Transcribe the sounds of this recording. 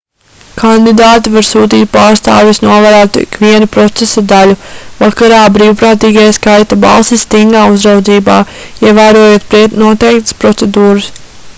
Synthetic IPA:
kʰand̪id̪aːt̪ivaɾsuːt̪̬iːt̪̚paːɾst̪a̰ːvjisnuɔvaɾaːt̪uḭkʋiɛnupɾɔt̪sesad̪aluvakaɾaːbɾiːwpɾaːt̪iːɡajskajt̪aba̰lˠsist̪iŋɡaːuzɾawd̪ziːbaː | iɛvæːɾuɔjuːt̪̚pɾit̪nuɔt̪ɛjk̚t̪ə̥spɾɔt̪sed̪uːɾɨs

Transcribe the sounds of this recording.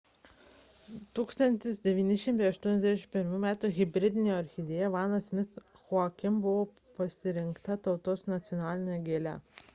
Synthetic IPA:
t̪uːkst̪ɐnʲt̪ʲɪsd̪ʲɛʋʲiːnʲɪʃʲɪmt̪ɛɪɐʃt̪uɔnʲɛzʲd̪ʲæɛʃʲɪmpʲɪɾmumʲæːt̪uɣʲɪbʲɾʲɪd̪ʲɪnʲejoɐɾʲxʲɪd̪ʲeːjɛʋɑːnɐsmʲɪt̪s | xʊɑkʲɪmbʊʋoː | pɐsʲɪɾʲɪŋkt̪ɐt̪ɐʊt̪oːsnɐt̪sʲjɔnɑːlʲɪnʲejɔɡʲeːlʲɛ̰

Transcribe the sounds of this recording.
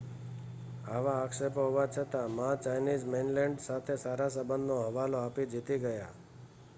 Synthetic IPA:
aʋaːkʃepɦoʋat͡ʃʰət̪amãt͡ʃajnid͡ʒmenlɛ̃ɳɖsat̪ʰesaɾasəbənd̪noɦəʋaloapid͡ʒit̪iɡəja̰

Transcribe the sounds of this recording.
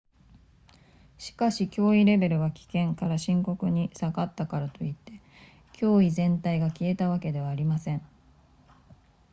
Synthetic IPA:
ɕi̥kaɕikʲo̞ːiɾe̞be̞ɾɯ̟βakʲi̥kẽ̞ŋkaɾaɕĩŋko̞kɯ̟ɲ̟isaɡat̪ːakaɾat̪o̞it̪ːe̞ | kʲʰo̞ːizẽ̞nt̪aiɡakʲie̞t̪aβ̞ake̞d̪e̞β̞aːɾʲimasẽ̞ɴ

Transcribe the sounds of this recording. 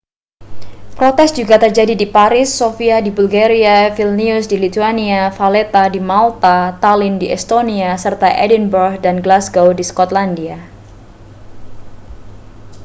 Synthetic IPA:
pɾot̪ɛsd͡ʒuɡat̪ərd͡ʒadidipaɾɪsːofiadibulɡaɾiafilniʊsdilit̪uaniafalet̪adimalt̪at̪alɪndiɛst̪oniasərt̪aʔɛdinbərɡdanɡlasɡowdiskɔt̪landia

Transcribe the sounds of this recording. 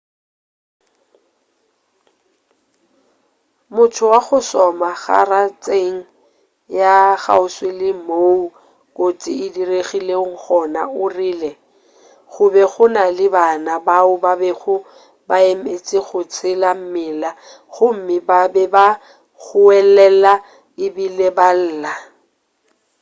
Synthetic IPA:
mʊtʰʊwaɣʊsɔmaɣa̰rat͡sʼeŋ̩ | jaɣa̰ʊswɪlɪmoːu | kʼot͡sʼɪ̰ɪdireɣileŋ̩χɔna̰ʊriːlɛ | ɣʊbɛχʊnalɪbanabaʊbabɛɣʊ | baem̩et͡sʼɪɣʊt͡sʰɪlam̩mɪla | ɣʊm̩mɪbabɛba | ɣʊɛlɛla | ɪbilebal̩ːla

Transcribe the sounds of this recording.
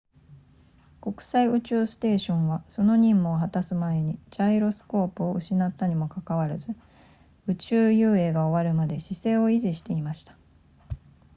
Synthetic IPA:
ko̞kɯ̟̥saiɯ̟t͡ɕɨːsɨ̥t̪e̞ːɕõ̞ɰ̃βaso̞no̞ɲ̟ĩmːoːɦat̪asɨmae̞ɲ̟id͡ʑaiɾo̞sɨ̥ko̞ːpɯ̟o̞ʔɯ̟ɕinat̪ːaɲ̟imo̞kakaβ̞aɾɯzɨ | ɯ̟t͡ɕɨːjɯːe̞ːɡao̞βaɾɯ̟mad̪e̞ɕise̞ːo̞iʑiɕi̥t̪e̞imaɕi̥t̪ḁ

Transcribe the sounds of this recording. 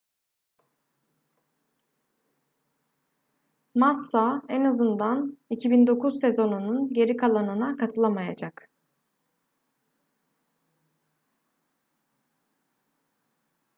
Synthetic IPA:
masːaɛnazɯnd̪anicʰibind̪o̞kʰuzse̞zo̞nununɟe̞ɾikʰalˠanɯnakʰat̪ʰɯlˠamajad͡ʒak

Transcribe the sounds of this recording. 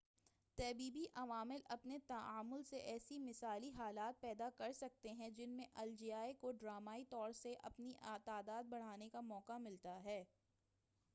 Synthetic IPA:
t̪ɛːbiːbiʔɐʋaːmɪlɐpnet̪ɐaːmʊlseʔɛːsimɪsaːliɦaːlaːt̪̚pɛːd̪akɐɾsɐk̚t̪eɦɛ̃d͡ʒɪnmẽʔɐld͡ʒiːaːekoɖɾaːmaːit̪ɔːɾseʔɐ̰pnit̪aːd̪aːd̪̚bɐɽ̤aːnekamɔːkamɪlt̪aɦɛː

